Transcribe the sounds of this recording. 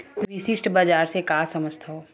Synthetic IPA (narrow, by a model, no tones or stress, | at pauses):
ʋisɪsʈbaːd͡ʒaːɾsekasɐməd͡ʒt̪ʰɦoː